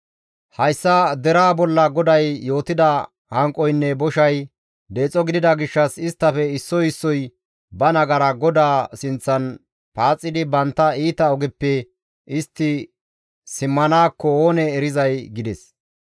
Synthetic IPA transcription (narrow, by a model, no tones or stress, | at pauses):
hɐjsːɐd̪ɛɾaːbɔlːɐɡɔd̪ɐjːo̞ːt̪ɪd̪ɐ | hɐŋkʼːɔjnːɛbɔʃɐj | d̪e̞ːt͡sʼːɔɡɪd̪ɪd̪ɐɡɪʃːɐsɪst̪ːɐfɛɪsːɔjɪsːɔj | bɐnɐɡɐɾɐɡɔd̪aːsɪnt͡sːɐn | paːt͡sʼːɪd̪ɪbɐnt̪ːɐiːt̪ɐɔɡɛpːɛ | ɪst̪ːɪ | sɪmːɐnaːkːɔoːnɛːɾɪzɐjɡɪd̪ɛs